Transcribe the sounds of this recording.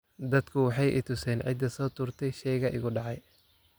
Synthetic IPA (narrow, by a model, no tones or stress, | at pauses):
d̪ɐd̪kʰʊwɑħɑjʔɪ̰t̪ʰʊsɛːnʕɪ̰d̪ɐsɔːt̪ʰʊːrt̪ʰɛjʃɛjɣɐʔɪ̰ɣʊɖɑʕɑj